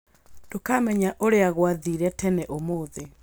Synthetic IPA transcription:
d̥okamɛɲaʔoɾeaɣwaðiɾɛtɛnɛʔomoːðe

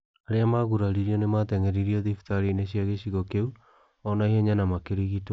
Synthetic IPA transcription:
aɾeamaɣuɾaɾiɾiɔnematɛŋɛɾiɾiɔðiftaɾineɕiaɣeɕiɣɔkeu | ɔnaiɦɛɲanamakeɾiɣit

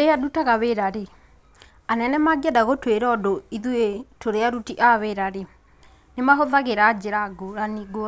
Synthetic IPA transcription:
eadutaɣaβeɾaɾe | anɛnɛmaɡɛdaɣotweɾɔdoiðuetoɾeaɾutiʔaβeɾaɾe | nemaɦoðaɣeɾad͡ʑeɾaɡoɾaniɡo

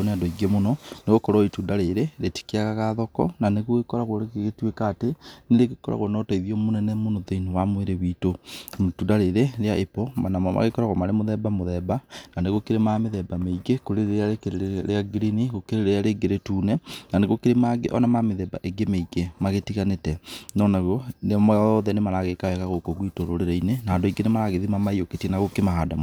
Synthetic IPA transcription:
oneadɔiɡemonɔneɣokɔɾɔitundaɾeɾeɾeti̥keaɣaɣaðɔkɔ̰naneɣoɣekɔɾaɣwɔɾeɣeɣetwekaːteneɾeɣekɔɾa̰ɣwɔnɔtaiðiɔmonɛnɛmonɔðeinowamweɾewiːtotundaɾeɾeɾeaʔepɔmanamama̰ɣekɔɾaɣwɔmaɾemoðɛbamoðɛbananeɣokeɾemameðɛbameiɡekoɾeɾeɾeaɾekeɾeɾeaɡiɾiniɣokeɾeɾeɾeaɾeɡeɾetuːnɛnaneɣokeɾemaɡḛʔɔnamameðɛba̰ʔeɡemeiɡemaɣetiɣanetɛnɔnaɣɔnemɔðɛnemaɾaɣekaɛɣaɣokoɣwitoɾoɾeɾainenaːndoiɡenemaɾaɣeðimamaioketiɛnaɣokemahadam

